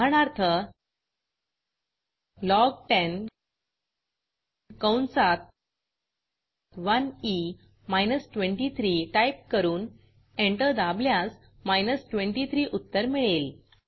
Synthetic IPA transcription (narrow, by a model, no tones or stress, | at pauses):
ɳ̃aɾt̪ʰə | lɔɡ̚ʈen | kəwnsat̪̚ | ʋəni | majnəsʈʋẽɳʈit̪ʰɾiːʈajp̚kəɾuːn | eɳʈəɾd̪abljas | majnəsʈʋeɳʈit̪ʰɾiːʔut̪ːəɾmiɭel